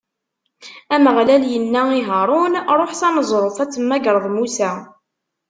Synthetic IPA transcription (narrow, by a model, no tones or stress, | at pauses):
æməʁlæljənːæiɦəɾˤʊnɾˤoħsɑnəzˤɾˤoθæt͡sːəmːæɡɾˤəðˤmusæ